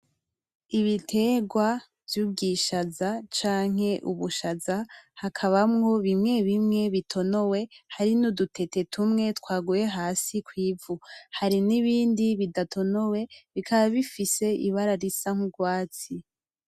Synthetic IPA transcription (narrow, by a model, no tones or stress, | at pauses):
iβitʰe̞ːɡwa | vjuːbɡiʃazat͡ʃaːŋ̥e̞ʔuβuʃazahakʰaβamŋo̞βimŋe̞βimŋe̞βitʰo̞no̞we̞haɾinudutʰe̞te̞tʰumŋe̞twaːɡuje̞ɦaːsikwiːvuhaɾiniβiːndiβidatʰo̞no̞we̞βikʰaβaβifise̞ʔḭβaɾaɾisaŋ̥uɡwaːt͡si